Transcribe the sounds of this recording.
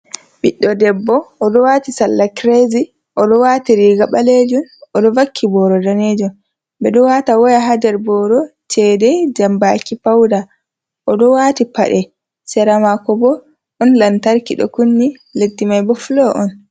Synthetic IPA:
biɗːɔdɛbːɔːɗɔwatisalːakɾezi | ʔɔɗɔwaːtiɾiɡaɓaled͡ʒunɔɗɔvakʰːibɔɾɔdaned͡ʒɔm | bɛɗɔwatawɔjaɦad͡ʒɛɾbɔɾɔt͡ʃɛdɛd͡ʒambakipawda | ʔɔɗɔwatipa̰ɗɛ | sɛɾamakɔbɔ | ɗɔnlantaɾkiɗɔ̰kunːi | letːimajbɔflɔʔɔn

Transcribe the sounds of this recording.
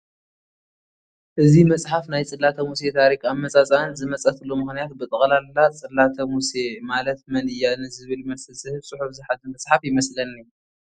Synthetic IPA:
ʔɨzimɐsʼħafnajt͡sʼɨlːat̪ʰɐmuse̞t̪ʰaɾikʼamːɐt͡sʼat͡sʼanzɨmɐt͡sʼɐt̪ʰɨlːomɨxnijat̪bɨt̪ʼɨχʼlalːat͡sʼɨlːat̪ʰɐmusemalɐt̪mɐnɨjːanɨzɨβɨlmɐsɨlsɨhɨβsʼɨħufzɨħad̪ɨmɐsʼħafjɪmɐslɐniu

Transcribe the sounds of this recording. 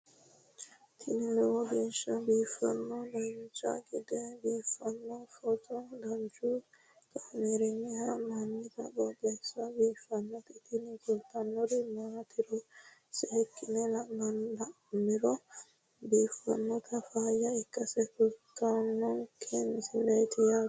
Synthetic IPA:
t̪ʰɪnɪlɛwɔbeʃɐbiːfɐ̰nːɔd̪ɐnt͡ʃʼɐ̰ɡɪd̪ɛbiːfːɐnːɔfɔt͡sʼɔd̪ɐnt͡ʃu | kamɛɾɛnːɛhɐmɐnːɪt̪ɐ̰kɔbɛsɐbiːfɐnːɔt̪ɪt̪ʰɪnɪkʊlt̪ɐnːɔɾɪmat̪ʰɪɾɔ | sɛɛkːɪnɛlɐʔmɐnlɐʔ | mɪɾɔ | biːfɐ̰nːɔt̪ʰɐfaːjɐɪkːɐsɛkʊlkːanːɔkʰensɪlɐjt̪ɪja

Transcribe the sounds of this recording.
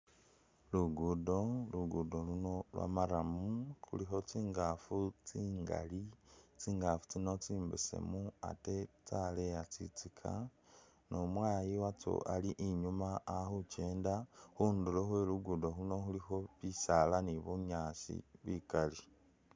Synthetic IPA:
luɡudo̞luɡudo̞luno̞lwa̰maɾamukṵlixo̞t͡siːŋɡafut͡siːŋɡa̰lit͡siːŋɡafu̥t͡sino̞t͡siːmbḭsḛmua̰tet͡salejat͡sḭt͡sikʰa̰ | nomwaːjiwat͡so̰ʔaliʔiɲumaːxut͡ʃe̞ːndaxuːndulexweluɡudo̞ɦuno̞xulixo̞βisalaniβuɲaːsḭβikali

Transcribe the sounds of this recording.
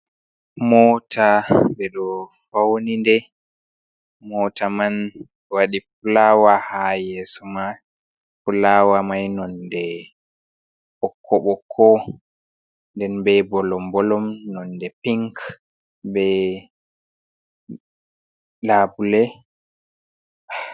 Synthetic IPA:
mɔtʰabɛɗɔfawnindɛ | mɔtaman | waɗifulawahajɛsɔma | fulawamajnɔndɛ | ɓɔkʰːɔɓɔkʰːɔ | ndɛnbɛbɔlɔmbɔlɔmnɔndɛpiŋk | bɛ | laːbulɛ

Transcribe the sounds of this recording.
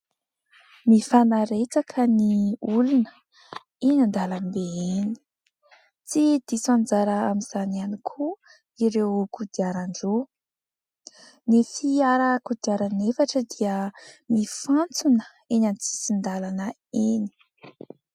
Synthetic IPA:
mifanaɾet͡sakʰəniulunə̥ | inand̪alambeeni̥ | t͡sid̪̥isand͡zaɾəamiz̥anianikʰu | iɾewkud̪iaɾaɳɖ͡ʐo | nifiaɾəkud̪iaɾanefaʈ͡ʂəd̪iəmifant͡sunə̥ | enanit͡si̥sind̪alanə | ini̥

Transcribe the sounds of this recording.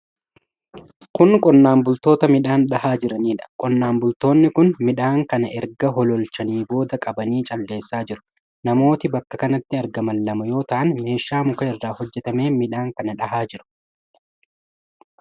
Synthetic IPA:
kʊnkʼɔnːaːmbʊlt̪o̞ːt̪ɐmɪᶑaːnɗɐhaːd͡ʒɪɾɐniːᶑɐ̥kʼɔnːaːmbʊlt̪o̞ːnːɪkʊnmɪᶑaːŋkɐnɐʔɛɾɡɐɦɔlɔlt͡ʃɐniːbo̞ːd̪ɐkʼɐbɐniːt͡ʃʼɐlːe̞ːsːaːd͡ʒɪɾʊ̥ | nɐmo̞ːt̪ɪbɐkːɐkɐnɐt̪ːɪɐɾɡɐmɐlːɐmɐjo̞ːt̪ɐʔɐnme̞ːʃːaːmʊkɐɪrːaːhɔd͡ʒːɛt̪ɐme̞ːmɪᶑaːŋkɐnɐᶑɐhaːd͡ʒɪɾʊ̥

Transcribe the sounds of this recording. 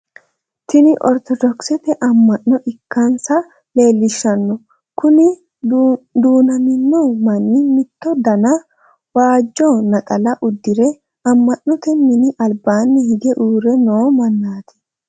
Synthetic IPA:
t̪ɪnɪʔɔ̰ɾt̪ɔd̪ɔksɛt̪ɛʔɐmːɐʔːɔʔɪkːɐnsɐ | le̞ːlːɪʃːɐnːɔ | kʊnɪ | d̪uːnɐmɪnːomɐnːɪmɪt̪ːɔd̪ɐnɐ | waːd͡ʒːoːnɐkʼɐlɐʔʊd̪ːɪɾɛ | ɐmːɐnːɔt̪ɛmɪnɪʔɐlbaːnːɪhɪɡɛʔuːɾɛnoːmɐnːaːt̪ɪ̥

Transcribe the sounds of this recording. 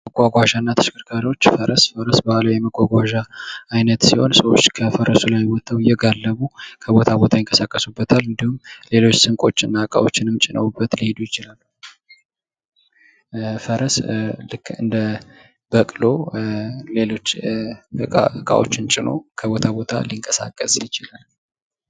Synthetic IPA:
məɡʷaɡʷaʒanːat̪ʰɨ̥ʃɪ̥kʰʼɨɾkʰaɾiwo̞t͡ʃːfəɾəsfəɾəsbahləwjɛməɡʷaɡʷaʒaːjnət̪siho̞̰nsəwot͡ʃːkʰəfəɾəsulajwɔt̪ʰːawjɛɡalːəβukʰəβo̞t̪ʰabo̞t̪ʰajɪŋkʼəsakʼːəsubːət̪ʰalɨnd̪ihumle̞lo̞t͡ʃːsɨŋkʼo̞t͡ʃːɨnːakʼa̰wo̞t͡ʃːɪnɨmt͡ʃʼɪnə̰wubːət̪lihed̪ujɪt͡ʃɪlalːu | fəɾəslɨkːɨ̰nd̪ə | bəkʼlo̞ | le̞lo̞t͡ʃːəa̰kʼa̰wo̞̰t͡ʃːɪnt͡ʃʼɪno̞̰kʰəβo̞t̪ʰabo̞t̪ʰa̰liŋkʼəsa̰kʼːəsɪt͡ʃɪlal

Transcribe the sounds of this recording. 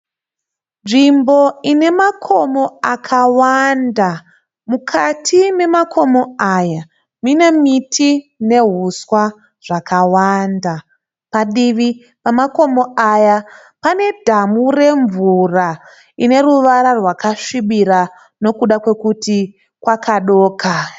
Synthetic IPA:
nʐimbo̞ine̞makʰo̞mo̞akʰawanda | mukʰatʰime̞makʰo̞mo̞aja | minemitʰine̞ɦuswa | ʐ̥akʰawanda | paɗiʋi | pamako̞mo̞aja | pane̞dʱamure̞ɱvura | ine̞ɾuʋaɾarwakaʂiɓiɾa | no̞kuɗakwe̞kuti | kwakʰaɗoːkʰa

